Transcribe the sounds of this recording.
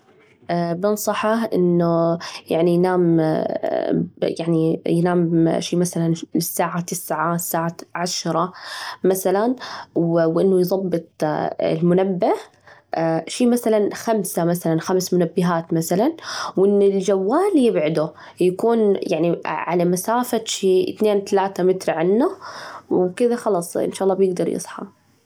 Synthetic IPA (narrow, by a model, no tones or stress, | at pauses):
ʔbɪnsˤɑħɑʔɪ̰nːujaʕnijnaːm | jaʕnijnaːmʃiːmaθalanɪsːaːʕat̪ɪsːʕasːaːʕaʕaʃɾˤɑmaθalanwwʔɪnːʊjðˤɑbːɨt̪ˤɪ̰lmʊnabːah | ʃiːmaθalanxamsamaθalanxamsmʊnabːɪɦaːt̪maθalanwʔɪnːʊld͡ʒawːaːljɪbʕʊd̪u | jakuːnjaʕniʕa̰lamasaːfaʃiːt̪neːnt̪alaːt̪amɪt̪ɾʕanːʊwkɪðaxɑlɑsˤʔɪ̰nʃaːʔɑlːɑːbjɪɡ̚d̪ɑɾˤjɨ̰sˤħɑ̰